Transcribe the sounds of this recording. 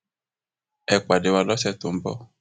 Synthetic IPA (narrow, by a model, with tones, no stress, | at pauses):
ɛ˨kʷa˨de˨wa˨lɔ˦sɛ˦t̪ʊ˨m̩˦bɔ̰˦